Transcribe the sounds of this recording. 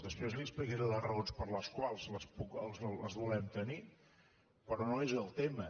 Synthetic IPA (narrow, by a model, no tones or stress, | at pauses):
d̪əspɾezlispəɣeɾəðəronspəɾləskwalˠzləspukəlˠzləzβulɛmt̪əni | pɾɔnoezəlˠt̪emə